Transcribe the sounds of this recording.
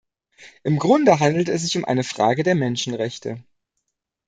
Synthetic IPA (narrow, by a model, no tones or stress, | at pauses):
ʔɪmɡʁʊndəɦandl̩tɛsz̥ɪçʊmʔa̰ɪnəfʁ̥a̰ːɡədeːɐmɛnʃn̩ʁɛçtʰə̰